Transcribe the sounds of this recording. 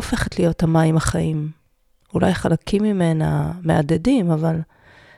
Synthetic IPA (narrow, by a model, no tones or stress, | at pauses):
ofe̞χetlijo̞thamaimaχaʔim | ula̰jχalakʰimːime̞name̞ad̪edimaval